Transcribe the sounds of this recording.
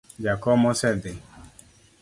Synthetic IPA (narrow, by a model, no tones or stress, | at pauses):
d͡ʒakɔmɔsɛd̪e